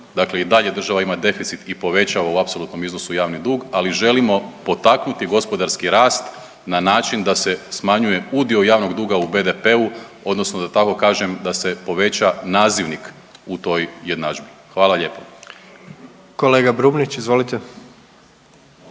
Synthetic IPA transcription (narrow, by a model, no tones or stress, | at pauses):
d̪akle̞id̪aʎe̞d̪r̩ʒaʋaimad̪e̞fit̪sit̪ipo̞ʋe̞t͡ɕaʋauapso̞lut̪no̞mizno̞sujaːʋnid̪uːɡaliʒe̞limo̞po̞t̪aknut̪iɡo̞spo̞d̪aɾskiɾaːst̪ | nanaːt͡ʃind̪ase̞smaɲuje̞ud̪iojaːʋno̞ɡd̪uːɡaube̞d̪epe̞u | o̞d̪no̞snod̪at̪ako̞kaːʒe̞md̪ase̞po̞ʋe̞t͡ɕanaːziʋnik | ut̪o̞jje̞d̪nad͡ʒbixʋaːlˠaʎe̞ːpo | koleːɡabɾubnit͡ʃizʋolit̪e